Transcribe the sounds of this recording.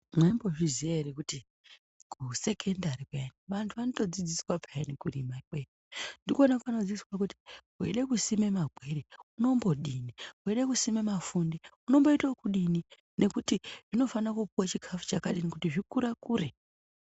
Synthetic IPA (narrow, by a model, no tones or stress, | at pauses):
maimbo̞ʐiziaeɾekuti | kʰuse̞kʰendaɾikaeniʋantʰuʋanoto̞d͡zid͡ziswapʰaenikurimaikwe | ndikonakano̞d͡ziiswak̬uti̥ | ḛɗe̞kusime̞maɡʱwe̞ɾeuno̞mbo̞ɗiniueɗe̞kusime̞mafundiuno̞mbo̞itokuɗini | ne̞kutiʐ̥ino̞fanakupuwat͡ʃikʰafu̥t͡ʃakaɗinekutiʐikuɾakuːɾe